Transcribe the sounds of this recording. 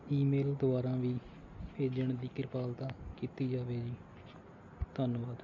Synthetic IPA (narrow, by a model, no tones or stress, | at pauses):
iːmeːld̪ʊʋaːɾãːʋiː | pʰeːd͡ʒəɳd̪iːkɪɾpaːlt̪ãːkiːt̪iːd͡ʒaːʋeːd͡ʒiː | t̪ənʋaːd̪